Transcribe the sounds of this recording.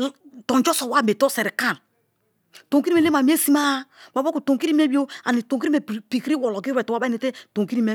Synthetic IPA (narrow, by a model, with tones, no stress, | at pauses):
tɔ˨nd͡ʒɔ˦sɔ˨wa˦me˨tɔ˦sɛ˨ɾi˨ka˦˨n | to˨ŋki˦ɾi˦me˨le˦ma˨m˦e˦si˦ma˦wa˨bku˨to˨ki˦ɾi˦m˦e˦bi˦o˦a˨ni˨to˨ki˦i˦e˨pi˨kɾi˦wɔ˨lɔ˨ɡi˦ɛ˨twa˦ba˦ne˨te˦to˨ŋki˦ɾi˦me˦